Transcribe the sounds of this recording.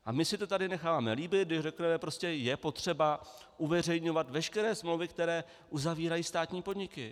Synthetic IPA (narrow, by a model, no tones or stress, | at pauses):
ʔa̰mɪsɪt̪o̞t̪adɪnɛxaːvaːmɛliːbɪt̪̚dɪʃrɛknɛmɛpɾo̞scɛjɛpo̞t̪r̝̥ɛba | ʔuvɛr̝ɛjɲo̞vat̪vɛʃkɛɾɛːsmlowvɪkt̪ɛɾɛː | ʔuzaviːɾajiːst̪aːt̪ɲiːpo̞dɲɪkɪ